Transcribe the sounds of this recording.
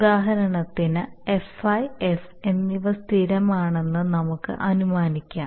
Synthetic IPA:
ud̪aːɦɐɾɐɳɐt̪ːinɨefɐjef | e̞nːiʋɐst̪ʰiɾɐmaːɳe̞nːɨnɐmukːɨ̰ʔɐnumaːnikʲːaː

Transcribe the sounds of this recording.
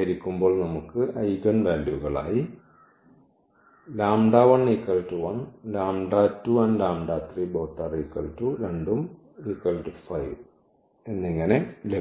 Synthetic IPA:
iɾikʲːumboːɭnɐmukːɨʔɐjɾɐnbaːnduɣɐɭa̰ːji | laːmɖaːʋɐɳikːɐltːuʋɐnlaːmɖaːtːuʋɐnlaːmɖaːt̪riboːt̪ːɐrikːɐltːuɾeɳɖum | ikːɐlʈɨfɐjʋ | enːiŋːɐne̞le

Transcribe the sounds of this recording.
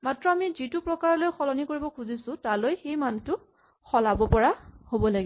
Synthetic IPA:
matɹɔamizitʊpɹɔkaɹɔlojxɔlɔnikoɹibɔkʰuzisʊ̃talojxejmantʊ | xʰɔlabɔpɔɹahobɔlaɡi

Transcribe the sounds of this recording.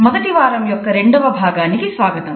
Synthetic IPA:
mɐd̪ɐʈ̪iʋaːɾɐmjɔkːɐɾeɳɖɐʋɐbʱaːɡaːniɡisʋaːɡɐt̪ɐm

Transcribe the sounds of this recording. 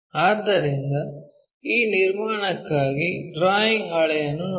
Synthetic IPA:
aːt̪ɐɾɪnd̪ɐ | iːnɪɾmaːnɐkːaːɣiɖɾaːjɪŋɐɽɐjɐnɯ

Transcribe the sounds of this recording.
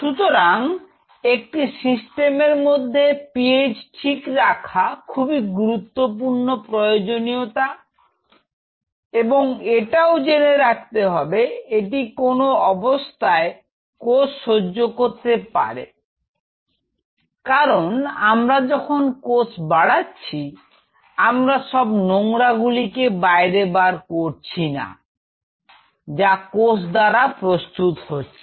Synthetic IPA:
ʃut̪oɾaŋ | ek̚ʈisisʈemeɾmod̪ʱːepied͡ʑʈʰikɾakʰakʰubiɡuɾut̪ːop̬uɾnopɾojod͡ʑoniot̪a | eboŋeʈaod͡ʑeneɾak̚t̪eɦɔbeeʈ̬ikonoɔbost̪ʰae | kosʃod͡ʑːokoɾt̪epa̰ɾḛ | kaɾonamɾad͡ʑɔkʰonkosbaɽatːɕʰi | amɾaʃɔbnoŋɾaɡulikebaeɾebaɾkoɾt͡ɕʰina̰ | d͡ʑakosd̪aɾapɾost̪ut̪hotːɕʰi

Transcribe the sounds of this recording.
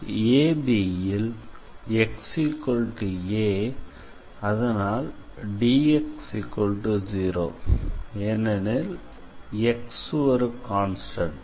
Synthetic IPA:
eːbijɪl | ɛksikːɔɭʈɯeː | ɐðɐnaːlɖiːɛksikːɔlʈɯd͡ʒiːɾo̰ː | ɛnːɐnɪl | ɛksʋɐɾɯkaːnsʈɐɳʈ

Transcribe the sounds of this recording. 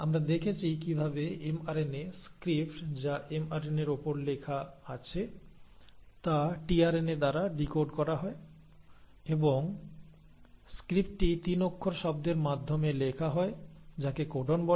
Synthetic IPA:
amɾad̪ekʰet͡ɕʰikibʱabeemaɾeneskɾipʈd͡ʑaʔemaɾeneɾopoɾlekʰaat͡ɕʰe | t̪aʈiaɾened̪aɾaɖikoɾɖkɔɾaɦɔe | eboŋ | skɾip̚ʈʈit̪inokʰːoɾʃɔb̚d̪eɾmad̪ʱːomelekʰaɦɔed͡ʑakekoɖʱonbɔ

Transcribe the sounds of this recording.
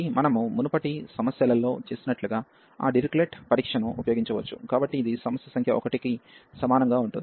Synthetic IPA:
imɐnɐmumunɐpɐʈisɐmɐsjɐlɐlo̞ːt͡ʃe̞ːsinɐʈluɡaː | a̰ːɖiɾikleːʈpɐɾiːkʂɐnɐmupɐjoːɡiɲt͡ʃɐʋɐt͡ʃːukaːbɐʈːiːd̪isɐmɐsjɐsɐŋkʰjɐʔɔkɐʈikisɐmaːnɐŋɡaːuɳʈuni

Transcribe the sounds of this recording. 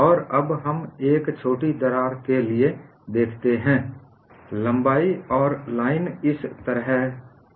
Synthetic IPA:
ɔːɾɐbɦəmeːkt͡ʃʰoːʈid̪ɐɾaːɾkelie | d̪eːkʰt̪eɦɛ̃ː | lə̃mbaːiɔːɾlaːɪnɪst̪əɾɦɛ

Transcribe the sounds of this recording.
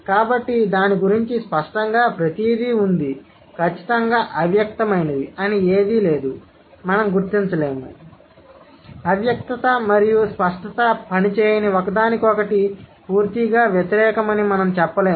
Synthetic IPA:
kaːbɐʈːid̪aːniɡuɾiɲt͡ʃispɐʂʈɐŋɡaːpɾɐt̪iːd̪ʱiund̪i | kʰɐt͡ʃːi̥t̪ɐŋɡaːʔɐʋjɐk̚t̪ɐmɐjnɐd̪iɐnieːd̪ile̞ːd̪u | mɐnɐmɡuɾt̪iɲt͡ʃɐle̞ːmu | ɐʋjɐk̚t̪ɐt̪ɐmɐɾijuspɐʂʈɐt̪ɐpɐnit͡ʃeːjɐniokɐd̪aːnikɔkɐʈipuːɾt̪iɡaːʋjɐt̪iɾɛːkɐmɐnimɐnɐmt͡ʃɛpːɐle̞ː

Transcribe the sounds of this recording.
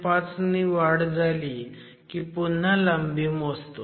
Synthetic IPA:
pat͡sniʋaɽd͡zali | kipun̤ːaləmbimɔst̪o

